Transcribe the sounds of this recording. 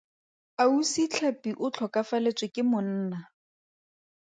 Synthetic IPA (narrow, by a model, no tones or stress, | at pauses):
ausit͡ɬʰapiʔʊt͡ɬʰɔkafalet͡sʼwɪkʼɪmʊn̩ːna